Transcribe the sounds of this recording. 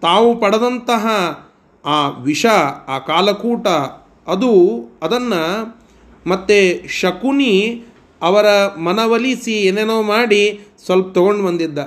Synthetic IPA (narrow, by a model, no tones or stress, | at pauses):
t̪aːʋupɐɽɐd̪ɐnt̪ɐɦɐ | aːʋiʂɐaːkaːlɐkuːʈɐ | ɐd̪uɐd̪ɐnːɐ | mɐt̪ːeʃɐkuni | ɐʋɐɾɐmɐnɐʋɐlisieːnenoːmaːɽisʋɐlp̚t̪ɔɡoɳɖbɐnd̪id̪ːɐ